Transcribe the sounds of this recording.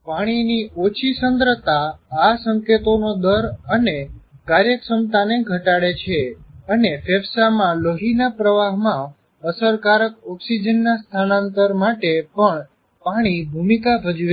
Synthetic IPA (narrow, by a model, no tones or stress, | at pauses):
paɽ̃iniot͡ʃʰisənd̪ɾət̪aasəŋket̪onod̪əɾənekaɾjəksəmt̪aneɡʱəʈaɽet͡ʃʰeənefɛʋsamãloɦinapɾəʋaɦmã | əsəɾkaɾək̚ɔksid͡ʒənːast̪ʰanãnt̪əɾmaʈepəɳ | paɽ̃ibʱumikabʱəd͡ʒue